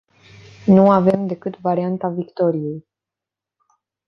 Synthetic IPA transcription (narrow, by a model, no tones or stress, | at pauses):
nuave̞md̪e̞kɨt̪vaɾiant̪avikt̪o̞ɾije̞j